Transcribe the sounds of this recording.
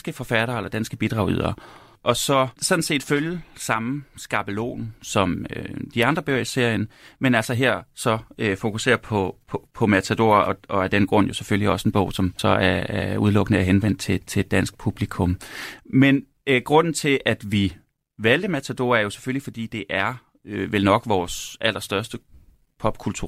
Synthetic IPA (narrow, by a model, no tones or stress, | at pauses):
sɡ̥əfɒ̽fæɾ̥ɐːelɐd̥ænsɡ̥əb̥id̥ʁɑ̈ʊy̰ð̞̰ˠɐ | ʔɒ̽sɒ̽sɒ̽d̥n̩se̝̰ːd̥føljəsɑ̈msɡ̥ɑ̈ːb̥əlo̝̰ːn̩sɒ̽mød̥iɑ̈nd̥ʁɐb̥ø̰ɐise̝ɐ̰jənmenælsɒɦeɐ̰sɒ̽fo̝kʰuse̝̰ːɐpʰɒ̽pʰpʰɒ̽mæt͡sʰæd̥o̝̰ːɐɒ̽ɒ̽æd̥enɡ̥ʁɔ̽n̰jo̝seføliɒ̽se̝nb̥ɔ̽ʊ̰sɒ̽msɒ̽æɐæɐuð̞ˠlɔ̽ɡ̥ənəæɐɦenʋen̰d̥̚t͡sʰe̝t͡sʰe̝d̥ːæn̰sɡ̥̚pʰub̥likʰɔ̽mmen | ɡ̥ʁɔ̽n̰n̩t͡sʰe̝ʔæd̥ʋi | ʋæld̥əmæt͡sʰæd̥o̝̰ːɐæɐjo̝se̥føllifɒ̽d̥ḭːd̥e̝ʔæɐ | øʋelnɒ̽ɡ̥ʋɒːsʔæl̰ʔɐsd̥ɶɐsd̥ə | pʰɒ̽b̥̚kʰult͡sʰṵɐ